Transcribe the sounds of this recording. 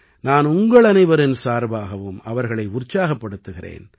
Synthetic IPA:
naːnʊŋɡɐɭɐnɐɪʋɐɾɪnsaːɾbaːɣɐʋɯmɐʋɐɾɣɐɭɐɪʊrt͡ʃːaːɣɐpːɐɽɯt̪ːɯɣɪrḛːn

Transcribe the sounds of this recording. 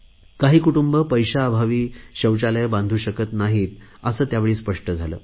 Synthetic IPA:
kaɦiːkuʈumbəpəjɕaːbʱaʋiːɕəwt͡ɕalejbãnd̪ʱuːɕəkət̪naɦiːt̪əsəːt̪jaʋeɭiːspəʂʈəd͡zʱalə̰ː

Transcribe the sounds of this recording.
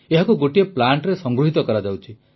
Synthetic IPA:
eɦakuɡoʈieplaɳʈɾesɔŋɡɾuɦit̪ɔkɔɾad͡ʒawt͡ʃʰi

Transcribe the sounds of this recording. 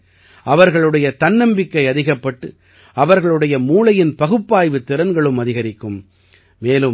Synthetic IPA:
ɐʋɐɾɣɐɭɯɽɐjɐt̪ɐnːɐmbɪkːɐɪɐðɪɣɐpːɐʈːɯ | ɐʋɐɾɣɐɭɯɽɐjɐmuːlɐjɪnpɐɣɯpːaːjʋɯt̪ːɪɾɐnɡɐɭɯmɐðɪɣɐɾɪkːɯm | meːlɯ

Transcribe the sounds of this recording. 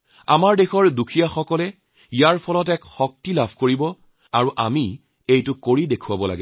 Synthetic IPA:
amaɹdexɔɹdukʰijaxɔkɔlɛ | ijaɹpʰɔlɔtɛkxɔk̚tilabʱkoɹibɔ | aɹuʔa̰mi | ejtʊkoɹidekʰuwabɔla̰ɡɛ

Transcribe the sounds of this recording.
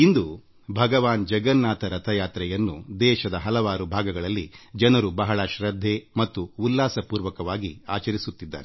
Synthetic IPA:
ind̪u | bʱɐɡɐʋaːnd͡ʒɐɡɐnːaːt̪ɐɾɐt̪ʰɐjaːt̪ɾɛjɐnːud̪ɛːʃɐd̪ɐɦɐlɐʋaːɾubʱaːɡɐɡɐɭɐlːid͡ʒɐnɐɾubɐɦɐɭɐʃɾɐd̪ʱːemɐt̪ːuulːaːsɐpuːɾʋɐkɐʋaːɡiaːt͡ʃɐɾisut̪ːid̪ːaːɾe

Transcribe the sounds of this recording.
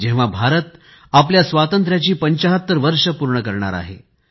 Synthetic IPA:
d͡ʑẽʋ̤abʱaɾət̪ | ap̬ljasʋat̪ənt̪ɾjat͡ɕiːpəɲt͡ɕaɦət̪ːəɾʋəɾʂəpuɾɳəkəɾɳa̰ɾa̰ɦḛ

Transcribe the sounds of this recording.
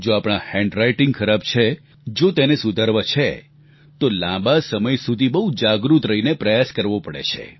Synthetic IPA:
d͡ʒoapɽ̃ahɛ̃ɳɖɾajʈɪŋɡkʰəɾab̚t͡ʃʰe | d͡ʒot̪enesud̪ʱəɾʋət͡ʃʰe | t̪olãbasəməjsud̪ʱibəɦud͡ʒaɡɾut̪ɾəinepɾəjaskəɾʋopəɽḛt͡ʃʰḛ

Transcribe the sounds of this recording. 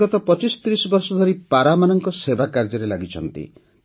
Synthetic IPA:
ɾɔt̪ɔpɔt͡ʃisɔ̥t̪ɾisɔbɔɾsɔd̪ʱɔɾipaɾamanɔŋkɔsebakaɾd͡ʒɔɾelaɡit͡ʃʰɔ̰nt̪ḭ

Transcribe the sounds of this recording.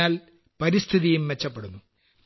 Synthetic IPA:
aːl | pɐɾist̪ʰiðijumʋet͡ɕːɐpːeɽunːu

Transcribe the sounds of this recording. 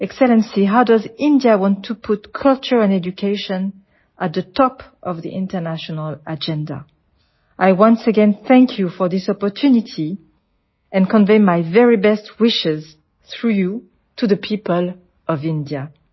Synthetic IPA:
ɛksɛlɛ̃nsiɦawdʌzɪ̃ndiawɑ̃ntʰːupʰʊtkʰʌlˠt͡ʃə˞ɛ̃nɛd͡ʒukʰeɪʃɔ̃n | ʔat̪̚ðətʰɔpʔʌvðiʔɪ̃ntə˞naʃɔnəlad͡ʒɛ̃nda̰ | ʔajwʌ̃nsəɡɛ̃nθɛ̃ŋkʰjufɔ˞ðɪsɔpɔ˞tʰunitʰi | ɛ̃nkɔ̃nveɪmajvɛɹibɛst̚ʰwɪʃɪz̥ | θɹuju | tʰuðəpʰipəl | ʔɔvɪ̃ndia

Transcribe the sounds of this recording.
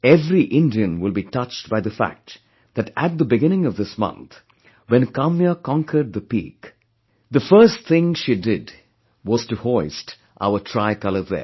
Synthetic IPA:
ɛvɾiʔɪ̃ndiɨ̃nwɪlˠbitʌt͡ʃtbaɪðəfæ̰k̚t | ð̥ætæʈ̚d̪əbɪɡɪ̃nɪ̃ŋʌvd̪ɪsmʌ̰̃nt̪ | wɛ̃nkamjəkɔ̃ŋkʰə˞ɖ̚ðəpḭːk | ðəfɜstt̪ɪ̃ŋʃidɪd | wɔz̥tɨhɔɪst | ʔa̰ʊətʰɹaɪkʌlə˞ðɛ̰

